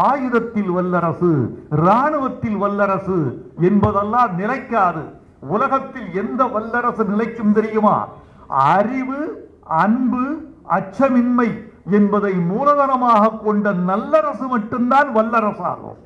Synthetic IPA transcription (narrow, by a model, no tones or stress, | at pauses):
aːjɯðɐt̪ːɪlʋɐlːɐɾɐsɯɾaːɳɯʋɐt̪ːɪlʋɐlːɐɾɐsɯɛnbɐðɐlːaːnɪlɐɪkːaːðɯ̰ | ʊlɐɣɐt̪ːɪlɛnd̪ɐʋɐlːɐɾɐsɯnɪlɐɪkːɯmt̪ɛɾɪjɯma̰ː | ɐɾɪʋɯ | ɐnbɯɐt͡ʃːɐmɪnmɐɪɛnbɐðɐɪmuːlɐðɐnɐmaːɣɐkːɔɳɖɐnɐlːɐɾɐsɯmɐʈːɯmd̪aːnʋɐlːɐɾɐsa̰ːɣo̰